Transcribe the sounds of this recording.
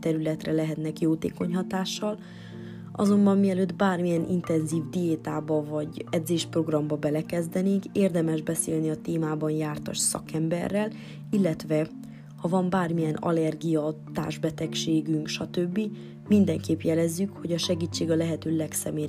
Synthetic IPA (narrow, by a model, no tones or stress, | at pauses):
t̪ɛɾylɛt̪rɛlɛɦɛt̪nɛkjoːt̪ḛːko̞ɲɦɒt̪aːʃːɒl | ɒ̰zo̞mbɒmːiɛløːd̪baːrmijɛnʔḭnt̪ɛnziːvd̪ijeːt̪aːbɒvɒɟɛd̪zeːʃpro̞ɡrɒmbɒbɛlɛkɛzd̪ɛneːŋkeːrd̪ɛmɛʒbɛseːlniɒt̪eːmaːbɒnjaːrt̪ɒ̰ʃsɒ̰kɛmbɛ̰rːɛl | ilːɛt̪ʋɛ | hɒvɒmbaːrmijɛnɒ̰lɛrɡijɒt̪a̰ːrʒbɛt̪ɛkʃeːɡyŋkʃɒt̪øbːi | mind̪ɛŋkeːpjɛlɛzːykho̞ɟɒʃɛɡiːt͡ʃːeːɡɒlɛɦɛt̪øːlɛksɛmeː